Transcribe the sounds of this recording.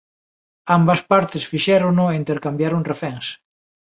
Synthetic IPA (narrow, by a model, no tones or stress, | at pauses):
ambaspaɾt̪ɪsfiʃɛɾonʊeint̪eɾkambjaɾoŋrefɛŋs